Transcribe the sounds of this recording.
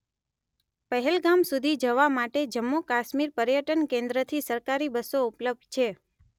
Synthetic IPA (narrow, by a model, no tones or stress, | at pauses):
pəɦɛlɡamsud̪ʱid͡ʒəʋamaʈed͡ʒəmːokaʃmiɾpəɾjəʈənkẽnd̪ɾət̪ʰisəɾkaɾibəsoupləb̚d̪̚ʱt͡ʃʰe